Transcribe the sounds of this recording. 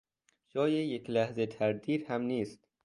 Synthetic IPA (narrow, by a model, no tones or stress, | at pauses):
ʃɒːjejeklæhzet̪ʰæɾd̪iːɾhæmniːst̪